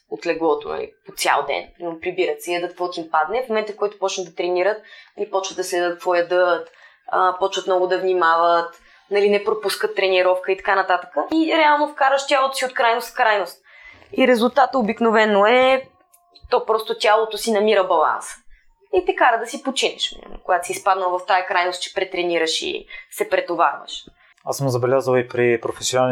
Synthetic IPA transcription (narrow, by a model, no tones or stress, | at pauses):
ot̪lɛɡlˠɔt̪o̰nɐ̰lḭpot̪sʲja̰lˠd̪ɛ̰nnopɾibiɾət̪sɛjəd̪ət̪t̪vɔt̪impad̪nɛfmomɛnt̪əfkɔjt̪ʊ̥pɔt͡ʃnəd̪ɐt̪ɾɛniɾət̪̚nɐlipɔt͡ʃvət̪d̪ɐslɛd̪ət̪̚t̪vɔjəd̪ɤt̪ | əpɔt͡ʃvət̪mnɔɡʊd̪ɐvnimavət̪ | nɐlinɛpɾopuskət̪ːɾɛniɾɔfkəit̪ɐ̥kanɐt̪at̪ə̥kəiɾɛalˠnofkaɾvəʃt̪ʲalˠot̪osiot̪kɾajnost̪fkɾajnost̪ | iɾɛzulˠt̪at̪əobiknovɛnːoɛ | t̪ɔpɾɔst̪ot̪ʲalˠot̪osinɐmiɾəbɐlˠa̰nsə̥ | it̪ɛkaɾəd̪ɐsipot͡ʃinɛʃm̰koɡat̪osʲispad̪nəlˠvɐft̪ajɐkɾajnost̪̚t͡ʃɛ̥pɾɛt̪ɾɛniɾəʃḭsɛpɾɛt̪ova̰ɾvə̰ʃ | asəmzɐbɛlʲazəlˠipɾipɾofɛsjonan